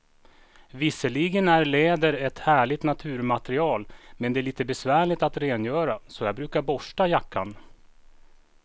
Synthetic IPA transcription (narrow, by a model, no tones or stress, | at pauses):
vɪsːəliɡənæɾleːd̪əɾɛt̪hæːɭɪt̪nat̪ʰʉ̟ːɾmat̪ɾɪɑːlmɛnd̪ɛæɭiːt̪əbɛsvæːɭɪt̪at̪ɾeːnjœːɾasɔjɑːɡbɾʉːkaɾbɔʂʈajakʰːa̰n